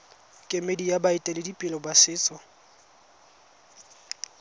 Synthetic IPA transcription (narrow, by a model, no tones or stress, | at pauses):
kʼɪmedijabaɪtʼɛlɪdipʼɪlɔbwasɪːt͡sʼɔ